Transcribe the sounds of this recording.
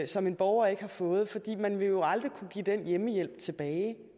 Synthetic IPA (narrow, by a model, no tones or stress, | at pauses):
sɒ̽me̝nb̥ɒʊɐe̝ɡ̥hɑ̈fɔ̽ːð̩ˠfɒ̽d̥ḭːmænʋe̝jo̝ɑ̈ld̥ʁikʰuɡ̥ḭːd̥enjeməjel̰b̥̚t͡sʰe̝b̥ɛːɪ